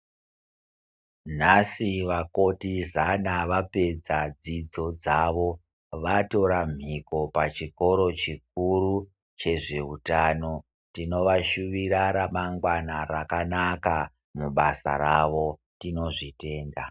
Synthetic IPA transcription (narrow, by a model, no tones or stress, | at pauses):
n̤asiʋako̞tizanaʋape̞d͡zad͡zid͡zo̞d͡zaʋo̞ | ʋato̞ɾam̤ʱiko̞pat͡ʃiko̞ɾo̞t͡ʃik̚uru | t͡ʃe̞ʐe̞utano̞ | tino̞ʋaʃuʋiɾaɾamaŋɡwanarakanaka | muɓasa̰ɾaʋo̞ | tino̞ʐite̞ːnda